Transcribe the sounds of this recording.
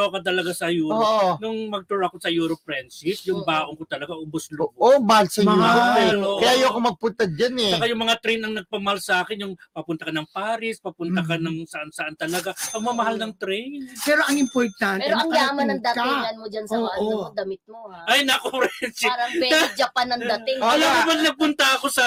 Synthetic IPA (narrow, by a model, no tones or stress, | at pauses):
okɐt̪̬ɐlɐɡasɐjuːoːʔnʊŋmɐɡ̚t̪ʊɾɐkosɐjuːɾopɾɛnsɪs̚jʊŋbaːʔoŋkot̪ɐlɐɡaʔʊbosloːʔombahalsɐjmuːɾoɛɾooʔkɐjajoɐkomɐɡ̚pʊnt̪ɐd͡ʒanɛt͡ʃɐkajʊŋmɐŋat̪ɾɛjnɐŋnɐɡ̚pɐmɐhalsɐaːkɪnjʊŋpɐpʊnt̪ɐkɐnɐŋpaːɾɪspɐpʊnɐkɐnɐŋsɐʔansɐʔant̪ɐlɐɡaɐŋmɐmɐhalnɐŋt̪ɾɛjnpɛːɾoʔɐŋɪmpoɾt̪anɛɾoɐŋjaːmɐnɐŋd̪ak̪aɪŋɐnmod͡ʒansɐobaʔd̪ɐmɪt̪̚moajnɐkopɾɛɛnsiɾɐbɛad͡ʒɐpanːɐŋd̪ɐt̪ɪŋɐlaɐmannɐɡ̚pʊnt̪ɐɐko̞sɐ